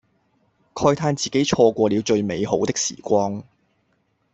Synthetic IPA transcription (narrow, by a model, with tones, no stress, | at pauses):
kʰɔː˧jt̪ʰaː˧nt͡siː˨˩ke˨˥jt͡ʃʰɔː˧kʷɔː˧liː˨˧wt͡ʃɵ˧ɥme˨˧jho˨˥wt̪ɪ˥k̚sḭː˨˩kʷɔː˧˥ŋ